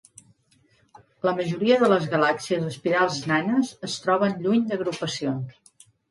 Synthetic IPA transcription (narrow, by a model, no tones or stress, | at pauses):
ləməʒuɾiəðələzɣəlaksiəzəspiɾalˠznanəzəst̪ɾɔβ̞ənʎuɲd̪əɣ̞ɾupəsions